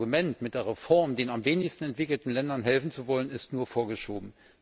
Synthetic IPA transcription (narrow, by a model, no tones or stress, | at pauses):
ɡumɛntmɪtd̥eːɐʁefɔɐmdeːnamveːnɪçstn̩ɛntv̥ɪkl̩tn̩lɛndɐnɦɛlfn̩t͡suvɔlənɪstnuːɐfoːɐɡəʃoːbm̩